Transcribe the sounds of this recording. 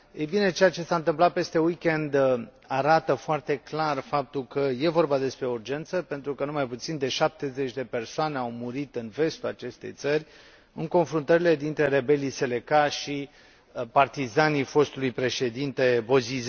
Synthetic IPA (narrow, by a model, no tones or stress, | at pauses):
ejbine̞t͡ʃe̞jat͡ʃe̞saɨnt̪ɨmplat̪̚pe̞st̪e̞wikʲe̞nd̪ | aɾat̪əfoart̪e̞klarfap̚t̪ulkəje̞vo̞rbad̪e̞spɾe̞urd͡ʒe̞nt̪səpe̞nt̪ɾukənumajput̪sind̪e̞ʃap̚t̪e̞zet͡ʃʲd̪e̞pe̞rsoane̞awmuɾit̪ɨnve̞st̪ulat͡ʃe̞st̪e̞̰jt̪sərʲ | ɨŋko̞nfɾunt̪əɾile̞d̪int̪ɾe̞ɾe̞be̞lijse̞le̞kaʃi | part̪izanijfo̞st̪ulujpɾe̞ʃe̞d̪int̪e̞bo̞ziz